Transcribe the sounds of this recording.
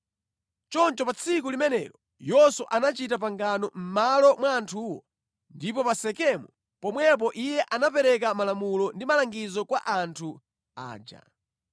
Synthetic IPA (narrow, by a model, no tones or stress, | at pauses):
t͡ʃɔnt͡ʃɔpat͡sʰikulimɛnɛ̰ɾɔ | jɔsuʔanat͡ʃitap̬aŋɡanɔm̩malɔmwaːntʰuːwɔ̰ | ndipɔpasɛkɛmu | pɔmwɛp̬ɔʔijɛʔanap̬ɛɾɛk̬amalamulɔndimalaŋɡizɔkwa̰ʔantʰu | a̰ːd͡ʒa̰